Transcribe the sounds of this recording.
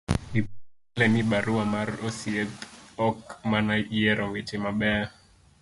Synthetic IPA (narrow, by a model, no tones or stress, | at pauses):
i | lɛniɓaɾuamaɾɔsiɛtɔkmanaiɛɾɔŋɛtɛmaɓɛa